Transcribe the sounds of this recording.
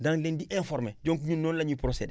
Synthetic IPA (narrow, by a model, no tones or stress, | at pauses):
dãŋlẽndiʔɛ̃fɔɾmed͡ʒõŋkuɲũnɔ̃nlaɲipɾosɛdɛ